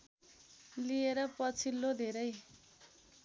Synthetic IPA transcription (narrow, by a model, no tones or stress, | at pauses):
lieɾʌpʌt͡sʰilːod̪ʱeɾʌj